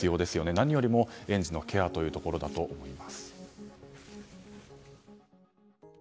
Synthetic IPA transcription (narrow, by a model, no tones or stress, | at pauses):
ɨjo̞ːd̪e̞sɨjo̞ne̞naɲ̟ijo̞ɾʲimo̞ẽ̞ɲ̟d͡ʑino̞kʲe̞at̪o̞jɯ̟ːt̪oko̞ɾo̞d̪at̪o̞ʔːmo̞imasɨ̥